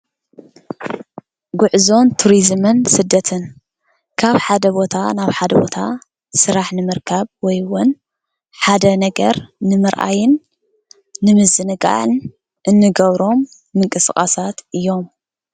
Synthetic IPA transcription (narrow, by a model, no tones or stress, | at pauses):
ɡʊʕzo̞nt̪ʰuɾizmɨnsɨd̪ːɐt̪ʰɨn | kʰaβħad̪ɐbo̞t̪ʰa̰naβħad̪ɐbo̞̰t̪ʰa | sɨɾaħnɨmɨɾkʰaβwɔjwʊn | ħad̪ɐnɐɡɐ̰ɾnɨmɨɾʔa̰jɪnː | ɨmɨzɨnɨɡʼa̰ʕn | ʔɨnːɨɡɐβɾo̞mː | ɨŋkʼɨsɨxʼasat̪ʔɨjːo̞m